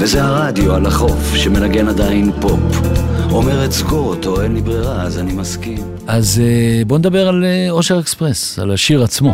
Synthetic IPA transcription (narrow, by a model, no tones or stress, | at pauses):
vezeaʁad̪ioalaχo̞fʃeme̞naɡe̞nad̪ainpo̞pomeʁetsɡoʁot̪o̞enlibʁiʁaːzanimaskim | azbo̞ned̪abe̞ʁaleo̞ʃeʁekspʁesa̰laʃiʁat͡smo̞